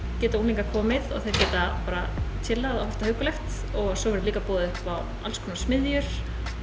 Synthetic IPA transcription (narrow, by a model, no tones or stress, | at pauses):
cɛːt̪aunliŋkakʰɔːmɪðɔ̰ɣθejɾcɛːt̪apaːɾa̰t̪ʰɪlːaðavɛft̪ahœːwkʏlɛxt̪ | ɔɣsɔvɛɾʏliːkapɔːðɪʏhpaw | a̰lskʰɔmnasmɪðjʏɾ̥